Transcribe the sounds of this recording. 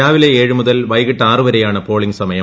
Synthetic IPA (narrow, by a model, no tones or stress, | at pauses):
aːʋileeːɻɨmuðɐlʋɐjɣiʈːaːrɨʋɐɾɐjaːɳɨpo̞ːɭiŋɡsɐmɐjɐ